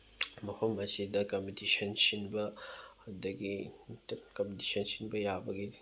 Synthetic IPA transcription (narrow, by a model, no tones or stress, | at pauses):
mɐpʰɐmɐsidɐkɐmpitisɐnsinbɐɐdɐɡitkɐmpdisɐnsinbɐjabɐɡi